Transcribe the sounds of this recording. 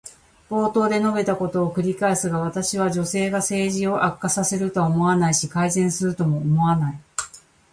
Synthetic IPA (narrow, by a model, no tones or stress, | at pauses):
b̥o̞ːt̪o̞ːd̪e̞no̞be̞t̪ako̞t̪o̞ːkɯ̟ɾʲikaesɨɡaβ̞at̪aɕiβ̞aʑo̞se̞ːɡase̞ːʑio̞ʔakːasase̞ɾɯ̟t̪o̞omo̞anaiɕikaizẽ̞ɰ̃sɨɾɯ̟t̪o̞mo̞ːmo̞βanai